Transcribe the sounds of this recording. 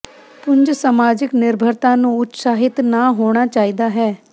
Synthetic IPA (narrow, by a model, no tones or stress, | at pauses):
pʊɲd͡ʒsamaːd͡ʒɪknɪɾbʱəɾt̪ãːnũːʊt̪saːɦɪt̪naːɦoːɽ̃aːt͡ʃaːiːd̪aːɦɛː